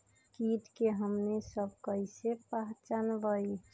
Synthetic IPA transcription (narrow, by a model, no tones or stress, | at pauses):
kit̪keɦəmnesəb̚kəisepaɦt͡ʃənbəi